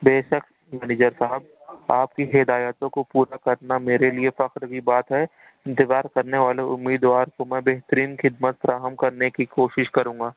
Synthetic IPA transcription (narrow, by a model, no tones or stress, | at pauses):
beːʃək̪ | mɛːnɪːd͡ʒəɾsaɦəb̚ | aːp̚kiɦɪd̪aːjət̪õkopuːɾakɐɾnameːɾeliefɐqɾkibaːt̪ɦɛ | ɪ̃nt̪ɪzaːɾkɐɾneʋaːleʔʊmːiːd̪ʋaːɾkomɛ̃ːbeːɦt̪əɾiːnxɪd̪mət̪fɾaːɦəmkɐɾnekikoːʃɪʃkɐɾũːŋɡaː